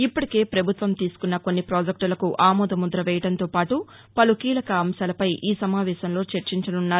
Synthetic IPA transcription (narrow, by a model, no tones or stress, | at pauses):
ipːɐʈi̥ke̞ːpɾɐbʱut̪ʋɐmt̪iːsu̥kunːɐko̞nːipɾoːd͡ʒɐk̚ʈulɐkuʔaːmɔːd̪ɐmud̪ɾɐʋɛːjɐʈɐnt̪o̞ːpaːʈu | pɐlukiːlɐkɐːmʃaːlɐpɐjʔiːsɐmaːʋɛːʃɐmlo̞ːt͡ʃeɾt͡ʃiɲt͡ʃɐnunːaːɾ